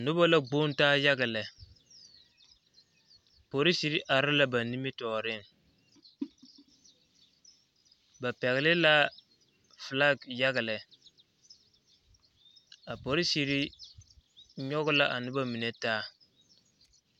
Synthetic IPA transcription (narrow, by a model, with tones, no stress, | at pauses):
nʊ˦ba˦la˦ɡ͡bo˦n˦taː˦ja˦ɣɪ˨lɛ˨ | po˨ɾɪ˦si˦ɾi˦ʔa˨ɾɪ˦la˦ba˨ni˦mi˦tɔː˨ɾɪ˦˨ŋ | ba˨pɛ˨ɣɪ˨lɪ˦la˦ | fla˦ɡja˦ɣɪ˨lɛ˨ | a˨po˨ɾi˦si˨ɾi˦ | ɲɔ˦ɣʊ˦la˦ʔa˨nʊ˦ba˦mi˨ne˦taː˦